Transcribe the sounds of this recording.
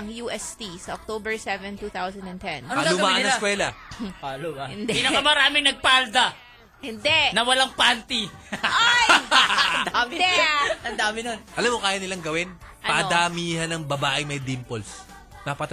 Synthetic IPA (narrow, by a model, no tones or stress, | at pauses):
ɐŋjuːʔɛst̪isɐʔɔk̚t̪oːbɛɹsɛvɛ̃nt̪uθawsɐnd̪ɐnt̪ɛ̃nalʊmaʔɐnɐskwɛːlɐalɪnɐkɐmɐɾaːmɪŋnɐɡ̚pald̪a | ɪnd̪ɛnɐwɐlaŋpant̪iʔaj | d̪amʔɐnd̪aːmɪnonʔɐlamːokaːjɐnɪlaŋɡɐwɪn | ʔɐɐʔɐd̪amiːhɐnɐŋbɐbaːʔɪŋmɐjd̪impols | nɐpɐt̪